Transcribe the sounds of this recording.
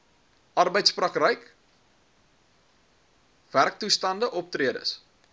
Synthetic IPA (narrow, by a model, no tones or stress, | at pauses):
ʔɐrbəjtsprɐkrəjk | v̥ærk̚tustɐndəʔɔp̚triədə̰s